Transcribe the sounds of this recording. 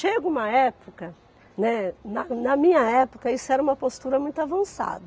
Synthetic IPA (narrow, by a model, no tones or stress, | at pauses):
ʃeɡʊũmɐɛpokɐ | nɛnɐnɐmĩɲɐɛpokɐisʊɛɾɐũmɐpost̪uɾɐmũj̃t̪ʊavɐ̃sa̰d̪ɐ